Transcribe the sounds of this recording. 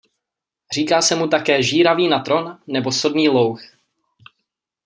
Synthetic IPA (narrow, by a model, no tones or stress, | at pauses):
r̝iːkaːsɛmut̪akɛːʒiːɾaviːnat̪ɾo̞nːɛbo̞so̞dniːlo̞wx